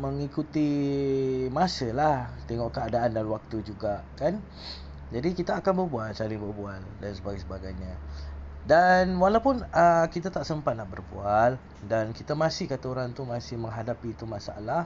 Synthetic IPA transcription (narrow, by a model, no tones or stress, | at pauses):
məŋikut̪i | masəlaht̪eŋɔʔkəadaʔandanwak̚t̪ud͡ʒuɡaʔkan | d͡ʒadikit̪aːkanbərbualsalɪŋbərbualdansəbaɡajsəbaɡajɲa | danwalawpʊnəkit̪at̪aʔsəmpat̪̚nahbərbual | dankit̪amãsɪhkat̪aoɾaŋt̪umasɪhmə̃ŋɦadapiːt̪umasaa̰lah